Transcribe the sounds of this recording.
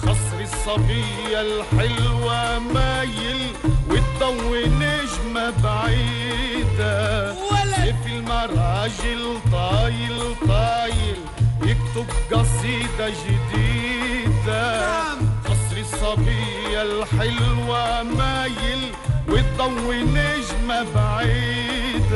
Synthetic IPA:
xɑsˤɾɪsˤːɑbi | alħɪlwamajɪl | wɪt̪ˤːɑwːɪnɪʒmabaʕiː | d̪a | ɪfɪlmɑɾˤɑːʒɪlt̪ˤɑːjɪlt̪ˤɑːjɪl | jɪk̚t̪ʊbɡɑsˤiːd̪ɑʒɪd̪iːd̪a | ʔɑsˤɾɪsˤːɑbiː | jalħɪlwamaːjɪl | wɪt̪ˤːɑwːɪnɪʒmabaʕiːd̪

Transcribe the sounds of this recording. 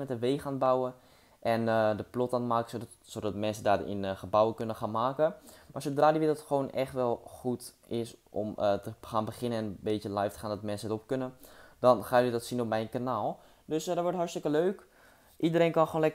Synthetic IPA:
mɛtəʋeːχaːnbawə | ʔɛnədəplɔtantmaːkə̥so | sodɔtmɛnsədarɪ̰nχəbawəkønəχaːnmaːkəmaɹsowdraːdiʋɪtətχəʋoːnɛχtʋɛlˠχutʔɪsʔɔmətəχaːnbəχɪnəɛnəbeːtjəlajftə̥χaːndɔtmɛnsətop̚kønənd̥ɔnχaːjədɔtsinopmɛjnkanaːlˠ | døsjadɔʋɔɹtɦɔrstɪkəløɥk | ʔidəɾeːnkɑnxχoːnlɛ

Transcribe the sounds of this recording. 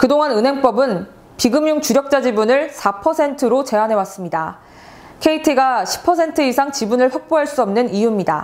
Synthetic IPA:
kɯdoŋɦanɯnɦe̞ŋp͈ʌbɯn | piɡɯmjuŋt͡ɕuɾjʌk̚t͡ɕ͈ad͡ʑibunɯɭsʰapʰʌsʰe̞ntʰɯɾot͡ɕe̞anɦe̞was͈ɯmɲida | kʰe̞itʰɯɡaɕʰi̥pʰʌsʰe̞ntʰɯisʰaŋt͡ɕibunɯɭɸwak̚p͈oɦaɭs͈uʌmnɯnijumɲida̰

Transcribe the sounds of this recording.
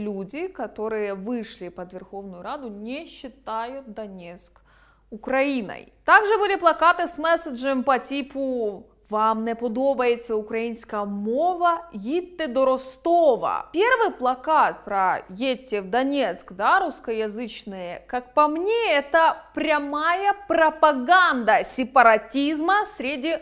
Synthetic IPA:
lʲudʲɪkɐt̪o̞ɾɨjəvɨʂlʲɪpɐd̪vʲɪrxovnʊjʊɾad̪ʊnʲɪɕːɪt̪ajʊt̪̚d̪ɐnʲet̪sk | ʊkɾɐinɐ̰jt̪aɡʐɨbɨlʲɪplˠɐkat̪ɨsmɛsəʐɨəmpɐtʲipʰʊ | vamnʲɛpʊd̪obəjet͡sʲəʊkɾɐinskɐɐmovɐjʲit̪ːɨd̪oɾost̪ovə̰pʲervɨjplˠɐkat̪̚pɾɐjetʲːɪvd̪ɐnʲet̪skd̪aɾuskəjɐzɨt͡ɕnɨjəkak̚pɐmnʲeɛt̪əpɾʲɐmajəpɾɐpɐɡand̪ɐsʲɪpəɾɐtʲizməsɾʲɪdʲi

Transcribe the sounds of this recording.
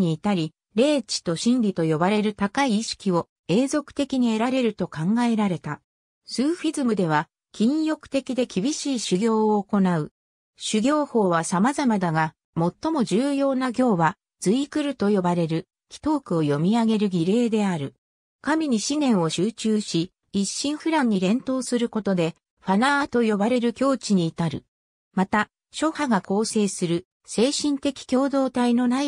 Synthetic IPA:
ɲiːt̪aɾʲi | ɾe̞ːt͡ɕi̥t̪o̞ɕĩnɾʲit̪o̞jo̞baɾe̞ɾɯ̟t̪akaiːɕi̥kʲio̞ | e̞ːzo̞kɯ̟̥t̪e̞kʲiɲ̟ie̞ɾaɾe̞ɾɯ̟t̪o̞kãŋɡae̞ɾaɾe̞t̪a | sɨːɸizɨmɯ̟d̪e̞β̞a | kʲĩɰ̃jo̞kɯ̟̥t̪e̞kʲid̪e̞kʲibʲiɕiːɕɨɡʲo̞ːoːko̞naɯ̟ | ɕɨɡʲo̞ːho̞ːβasamazamad̪aɡa | mo̞t̪ːo̞mo̞ʑɨːjo̞ːnaɡʲo̞ːβa | d͡z̥ɨikɯ̟ɾɯ̟t̪o̞jo̞baɾe̞ɾɯ̟ | kʲi̥t̪o̞ːkɯo̞jo̞mʲiaɡe̞ɾɯ̟ɡʲiɾe̞ːd̪e̞aɾɯ̟ | kamʲiɲ̟iɕinẽ̞ɰ̃o̞ɕɨːt͡ɕɨːɕiː | ɕːĩɰ̃ɸɯ̟ɾãɲ̟ːiɾẽ̞nt̪o̞ːsɨɾɯ̟ko̞t̪o̞d̪e̞ | ɸanat̪o̞jo̞baɾe̞ɾɯ̟kʲo̞ːt͡ɕiɲ̟iːt̪aɾɯ̟ | mat̪a | ɕo̞haɡako̞ːse̞ːsɨɾɯ̟ | se̞ːɕĩnt̪e̞kʲi̥kʲo̞ːd̪o̞ːt̪aino̞nai

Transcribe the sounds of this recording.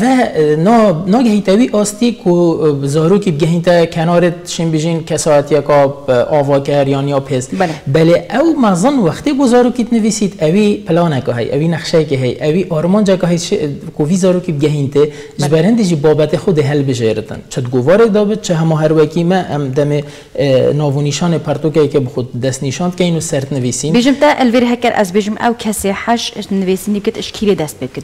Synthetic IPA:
vɛnnɑːɡɛhit̪ɛwiʔɑːst̪ikʰʊzɑːɾoːkib̚ɡɛɦiːnt̪ɛkʰɛnɑːɾet̪ʃembiʒinkʰɛsɑːɛt̪ijɛkɑʔɑːvɑːkɛɾjɑːnjɑːpʰezbɛleʔɛwmɛzɨnwæxt̪eboːzɑːɾuːkit̪nɨviːsit̪ɛwiːpʰɨlɑːnɛkɑ̰ɦɛ̰jʔɛ̰wiːnɛxʃɛjɛkeɦɛjʔɛwiʔɑːɾmɑːnd͡ʒɛkɑɦɛjt͡ʃʰkoviːzɑːɾoːkib̚ɡɛɦiːnt̪ɨ | ʒɨbɛɾhɨnd̪eʒiːbɑːbɛt̪exod̪eɦɛlbɨʒeɾɨt̪ɨ̰nt͡ʃʰɨd̪ɡoːvɑːɾɛk̚d̪ɑːbɨt̪̚t͡ʃʰɪɦɛmɑːɦɛɾwɛkimɛʔɛmd̪ɛme | nɑːvoniʃɑːneːpʰæɾt̪okɛɛkebɨxod̪ɛst̪niʃɑːnd̪kʲɛinusɛɾt̪nɨviːsiːnbeːʒɨmt̪ɛʔlveːɾeɦɛkɛɾʔɛ̰zbeːʒɪmɛ̰wkʰɛseːħaʃnɨveːsinikət̪ɨʃkʰiːɾed̪ɛst̪̚peːkət̪

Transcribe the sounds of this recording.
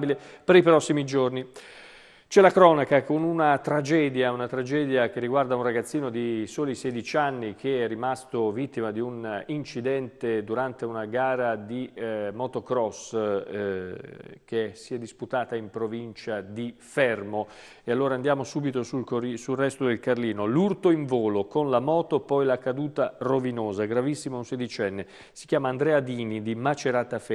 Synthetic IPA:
bile | peɾipɾɔsːimid͡ʒorni | t͡ʃɛlakɾɔːnakakonunat̪ɾad͡ʒɛːd̪jaunat̪ɾad͡ʒɛːd̪jak̟erːiɡward̪aunraɡat̪sːiːnod̪isoːlisɛd̪it͡ʃanːik̟eɛrːimast̪ovit̪ːimad̪iunint͡ʃid̪ɛnt̪ed̪uɾant̪eunaɡaːɾad̪imɔt̪okɾɔs | k̟esiɛd̪ːisput̪aːt̪aimpɾovint͡ʃad̪ifɛrmo | ealːoːɾaːnd̪jaːmosuːbit̪osulkoisulrɛst̪od̪elkarliːnolurt̪oiɱvoːlokonlamɔːt̪opɔjlakad̪uːt̪arovinoːzaɡɾavisːimounsed̪it͡ʃɛnːe | si̥k̟jaːmaːnd̪ɾɛːad̪iːnid̪imat͡ʃeɾaːt̪afɛ

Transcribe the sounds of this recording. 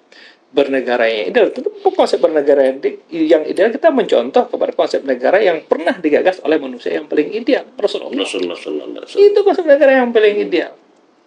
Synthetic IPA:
bərnəɡaɾaja̰ŋḭdealt̪ənt̪upkɔnsɛp̚bərnəɡaɾajadjaŋḭdealkit̪aməɲt͡ʃɔ̰nt̪ɔhkəpadakɔnsɛp̚nəɡaɾajaŋpərnahdiɡaɡaso̰lɛhmanusia̰jaŋpalɪŋidealrasulʔɔ̰ | it̪ukɔnsɛp̚nəɡaɾajaŋpalɪŋidea̰l

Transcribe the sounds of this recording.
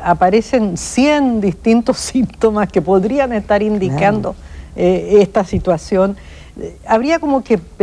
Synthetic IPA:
apaɾe̞se̞nsjend̪ist̪int̪o̞simt̪omaske̞po̞ðɾianest̪aɾind̪ikand̪o̞eest̪asit̪wasjo̞n | aβɾiako̞mo̞kep

